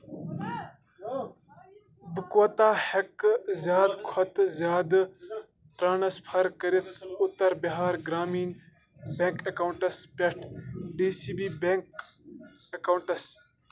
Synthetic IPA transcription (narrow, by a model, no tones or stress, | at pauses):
bɨkwɐt̪aːhɐkzjaːd̪kʰɐt̪zjaːd̪ | ʈɾaːnɐspʰɐɾkɐɾit̪ʰʊt̪ɐɾbiɦaːɾɡɾaːmiːn | beŋkɐkawuɳʈɐspeʈʰɖiːsiːbiːbeŋk | ɐkauɳʈɐs